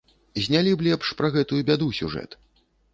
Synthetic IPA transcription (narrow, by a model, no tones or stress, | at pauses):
zʲnʲalʲiblʲɛpʂpɾɐɣɛt̪ujubʲad̪usʲṵʐɛ̰t̪